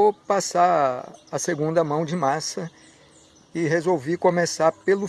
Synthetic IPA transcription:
opasaɐseɡũnd̪ɐmɐ̃w̃d͡ʒɪmasɐ | ɪɦezowvikõmesapelʊ

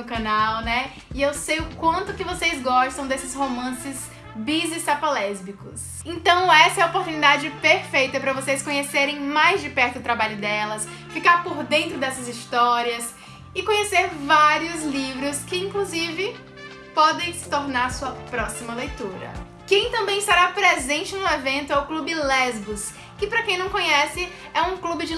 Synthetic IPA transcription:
ʊkɐ̃nawnɛ | ɪewsejʊkwɐ̃nt̪ʊkɪvosejzɡɔʃt̪ɐ̃w̃d̪esɪshomɐ̃sɪz | bizɪst̪apalɛzbikʊs | ẽnt̪ɐ̃w̃ɛsɐɛɐopoɾt̪unid̪ad͡ʒɪpeɾfejt̪ɐpɾɐvosejskõɲeseɾẽj̃majzd͡ʒɪpɛɾt̪ʊːt̪ɾabaʎʊd̪ɛlɐs | fikaɾpoɾd̪ẽnt̪ɾʊd̪ɛsɐzist̪ɔɾiɐs | ɪkõɲeseɾvaɾiʊzlivɾʊskɪĩŋkluzivɪ | pɔd̪ẽj̃sɪ̥t̪oɾnaɾsuɐpɾɔsimɐlejt̪uɾɐ̰ | kẽj̃t̪ɐ̃mbẽj̃ɪst̪aɾapɾezẽnt͡ʃɪnʊevẽnt̪ʊɛwklubɪlɛzbʊs | kɪpɾɐkẽj̃nɐ̃w̃kõɲɛsɪ | ɛũklubɪd͡ʒɪ

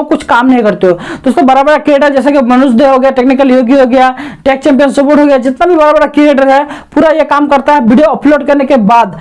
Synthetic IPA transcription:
kʊt͡ʃʰkaːmnɐɦĩkɐɾt̪eod̪oːsɾõbɐɾabəɾakieɖəd͡ʒɛːsekimənusd̪eɦoɡəjaʈeːknikəljoːɡiɦoɡəjaʈeːk̚t͡ʃɛ̃ːmpijənsəpoːʈɦoɡəjad͡ʒɪt̪nabʱibɐɾabəɾakieɖəɾɦɛpuːɾajekaːmkəɾt̪aɦɛbiɖijoəploːɖkəɾnekebaːd̪

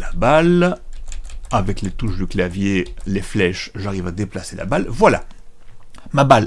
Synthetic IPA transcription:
labal | avɛklet̪uʃd̪yklavjeleflɛʃʒaʁivad̪eplasela̰balvwala̰ | mabal

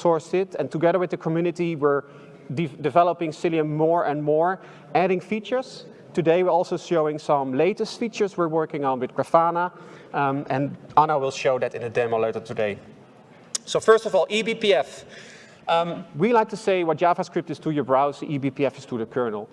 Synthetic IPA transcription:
sɔɹsɪtɛ̃ntʰəɡɛðə˞wɪðəkʰmjʉnɨtiwɪɹ | ddɪvɛləpɪ̃ŋsɪliə̃ːɔɹʔɛ̃nmɔɹ | æɾɪ̃ŋfit͡ʃə˞z | tɨdeɪwəɹɔlˠsoʊʃoʊɪ̃ŋsʌ̃mleɪtəstfit͡ʃə˞zwɪɹwɜ˞kɪ̃ŋə̃nwɪθɡɹafanə | ɛ̃nɑnəwɪlˠʃoʊðɨtɪ̃nɨdɛməlotətʰɨdeɪ | soʊfɜ˞stɔvɔlˠʔibipiɛf | wilaɪk̚tʰuseɪwʌt̚d͡ʒavaskɹɪp̚tɨstʰujə˞bɹaʊziʔibipiɛfɪstʰuðəkʰɜ˞nl̩ˠ

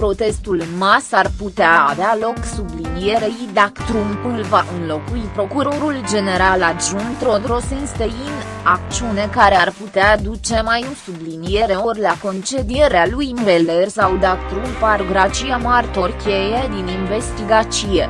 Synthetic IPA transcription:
pɾo̞t̪e̞st̪ulmasarput̪eaːvealo̞ksublinije̞ɾejid̪akt̪ɾumɨlvaʔɨnlo̞kuipɾo̞kuɾo̞ɾuld͡ʒe̞ne̞ɾalad̪ʒunt̪ɾo̞d̪ɾo̞senst̪ein | akt͡ʃiune̞kaɾearput̪ead̪ut͡ʃe̞majosublinie̞ɾe̞orlako̞nt͡ʃe̞d̪ije̞ɾealujmvelersawd̪akt̪ɾumpaɾoɡɾat͡ʃiamart̪o̞rkʲejed̪ininve̞st̪iɡat͡ʃije

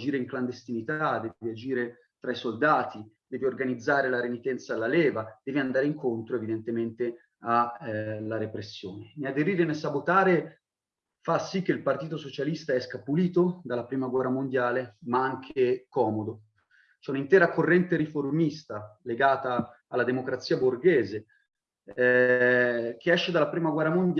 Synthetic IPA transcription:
d͡ʒiːɾeiŋkland̪est̪init̪ad̪ɛviad͡ʒiːɾe | t̪ɾaisold̪aːt̪id̪ɛːviorɡanid̪zːaːɾelaɾenit̪ɛnt̪salːalɛːvad̪̥ɛːviand̪aːɾeiŋkʰont̪ɾoevid̪ent̪ement̪e | alːaɾepɾesːjoːneniad̪eɾiːɾenesabot̪aːɾe | fasːik̟ːeilpart̪iːt̪osot͡ʃalist̪aɛskapuliːt̪od̪alːapɾiːmaɡwɛrːamond̪jaːlemaaŋkʰekɔːmod̪o | t͡ʃɛunint̪ɛːɾakorːɛnt̪eɾiformist̪aleɡaːt̪aː | lːad̪emokɾat̪sːiːaborɡɛːze | k̟eɛʃːed̪alːapɾiːmaɡwɛrːamond̪j

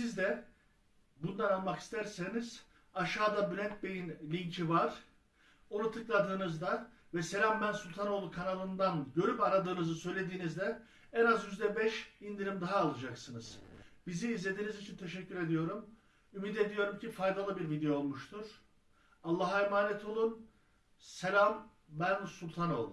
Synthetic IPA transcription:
sizd̪ɛ | bund̪ˠanalˠmaki̥st̪ʰæɾse̞niz̥ | aʃaːd̪abylʲɛnt̪̚be̞jinlʲiɲcʰivaɾ̥ | o̞nut̪ʰɯklˠad̪ɯːnɯzd̪a | vɛse̞lʲambænsulʲt̪ʰano̞lˠukʰanalˠɯnd̪anɟø̞ɾypaɾad̪ɯːnɯzɯsø̞jlʲe̞d̪iːnizd̪ɛ | ɛnazjyzd̪ɛbɛʃind̪iɾimd̪aɦaːlˠɯd͡ʒaksɯnɯz̥biziːzlʲe̞d̪iːnizit͡ʃʰint̪ʰe̞ʃɛcʰːyɾe̞d̪ijo̞ɾum | ymid̪e̞d̪ijo̞ɾumcʰifajd̪alˠɯbiɾvid̪ejoolˠmuʃt̪ʰuɾ̥ | alˠːaɦemaːnɛt̪ʰo̞lˠun | se̞lʲam | bænsulʲt̪ʰano̞ːlˠ

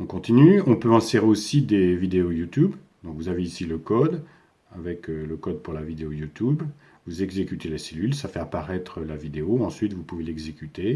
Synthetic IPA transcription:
ɔ̃kɔ̃t̪inyɔ̃pøɛ̃seʁeosid̪evid̪eojut̪yb | d̪ɔ̃kvuzaveisiləkɔd̪ | avɛkləkɔd̪̚puʁlavid̪eojut̪yb | vuzɛɡzekʲyt̪elaselylsafɛapaʁɛt̪χəlavid̪eoɑ̃sɥit̪vupuvelɛɡzekʲyt̪e

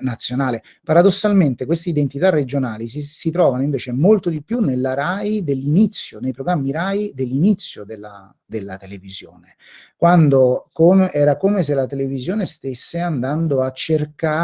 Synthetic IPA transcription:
nat̪sːjonaːle | paɾad̪osːalment̪ekwest̪eid̪ent̪it̪arːed͡ʒonaːlisisit̪ɾɔːvanoiɱveːt͡ʃemolt̪od̪ipːjunːelːaɾajd̪elːinit̪sːjonejpɾoɡɾamːiɾaːjd̪elːinit̪sːjod̪elːa | d̪elːat̪elevizjo̰ːne | kwand̪okomeʔɛːɾakomes̬elat̪elevizjoːnest̪esːeand̪and̪oat͡ʃːerka

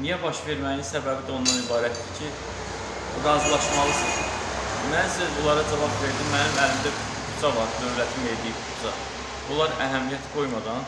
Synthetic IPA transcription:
nijæbɑʃve̞ɾmæjinsæbæbid̪io̞nd̪ɑnibɑːɾæt̪d̪icʰi | ɾɑzlˠɑʃmɑlˠɯsɯ | mænsizbulˠɑɾɑd͡ʒɑvɑbve̞ɾd̪imːænimælimd̪æ | kʰut͡sɑvɑɾd̪ø̞vlæt̪ʰime̞jd̪ijibʰuzɑ | bulˠɑɾæɦæmijæt̪ʰɡo̞jmɑd̪ɑn

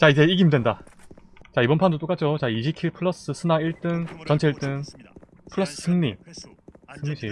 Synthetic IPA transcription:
t͡ɕaid͡ʑe̞iɡimdwe̞nda | t͡ɕaibʌnpʰandot͈ok͈ad͡ʑʰot͡ɕaiɕʰikʰiɭpʰɯɭːʌs͈ɯsʰɯnaiɭt͈ɯŋt͡ɕʌnt͡ɕʰe̞iɭt͈ɯŋ | pʰɯɭːʌs͈ɯ̥sʰɯŋɲi | sʰɯŋɲiɕʰi

